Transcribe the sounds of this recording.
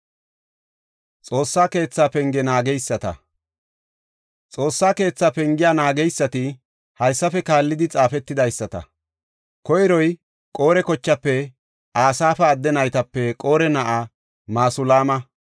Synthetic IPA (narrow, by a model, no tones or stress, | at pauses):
t͡sʼo̞ːsːaːke̞ːt͡sːaːpɛŋɡɛnaːɡɛjsːɐt̪ɐ̰ | t͡sʼo̞ːsːaːke̞ːt͡sːaːpɛŋɡɪjaːnaːɡɛjsːɐt̪ɪ | hɐjsːɐfɛkaːlːɪd̪ɪt͡sʼaːfɛt̪ːɪd̪ɐjsːɐt̪ɐ̰ | kɔjɾɔj | kʼo̞ːɾɛkɔt͡ʃːɐpːɛ | aːsaːfɐːd̪ːɛnɐjt̪ɐpːɛkʼoːɾɛnɐʔa | maːsʊlaːmɐ